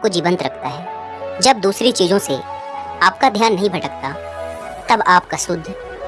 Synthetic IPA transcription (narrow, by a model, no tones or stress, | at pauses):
kod͡ʒiːʋə̃nt̪ɾɐkʰt̪aɦɛː | d͡ʒɐb̚d̪uːsɾit͡ʃiːzõsḛ | aːp̚kad̪ʱjaːnːɐɦĩbʱɐʈək̚t̪a | t̪ɐbaːpkasʊd̪ʱː